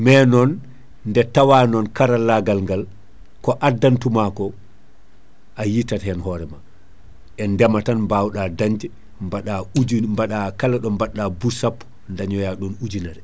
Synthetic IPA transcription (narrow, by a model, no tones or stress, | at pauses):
mɛnɔn | ndɛtawaːnɔnkaɾalːaɡalŋɡal | kɔʔadːantumakɔ | ʔajitːathɛnhɔɾɛma | ʔɛndɛmatanbawɗadaɲd͡ʒɛ | mbaɗaud͡ʒmbaɗakalaɗɔmbaɗːabusapː | ndaɲɔjaɗunud͡ʒinaɾɛ